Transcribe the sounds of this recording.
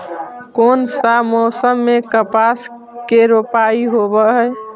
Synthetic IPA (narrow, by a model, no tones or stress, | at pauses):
konsamɔsəmːekəpas | keɾopaiɦobəɦəj